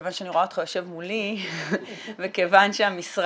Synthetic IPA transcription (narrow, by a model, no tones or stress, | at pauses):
vanʃeaniʁoaot̪χajoʃe̞vmuli | vekevanʃeamisʁ